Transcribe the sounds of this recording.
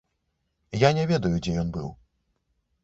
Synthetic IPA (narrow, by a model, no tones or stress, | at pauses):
janʲɛvʲɛd̪ɐjud͡zʲɛjɔnbɨ̰w